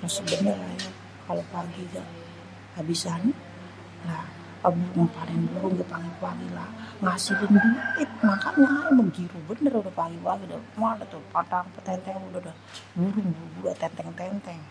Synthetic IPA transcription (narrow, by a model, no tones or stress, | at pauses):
ɾasəbənəraja | kalopaɡiɡaʔ | abisani | lah | kabuɾʊŋapadɛŋbuɾʊŋɡaʔpaŋippaɡilahŋasɪhbənədiaɪt̪makaŋaməŋɡiɾubənərudahpaɡipaɡida̰manat̪upataŋpət̪ɛnt̪ɛŋudadah | buɾʊŋbuɾubuɾuat̪ɛnt̪ɛŋt̪ɛnt̪ɛŋ